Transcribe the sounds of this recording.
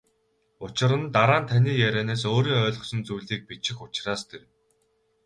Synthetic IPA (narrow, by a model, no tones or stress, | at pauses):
ʊt͡ɕɪ̆ɾə̆nt̪aɾaːnt̪ʰaniːjæɾʲeːneːs̬oːɾiːŋœːɮʁɞ̆χsɞ̆nt͡sujɮiːk̚pit͡ɕɪ̆xʊt͡ɕraːst̪ʰew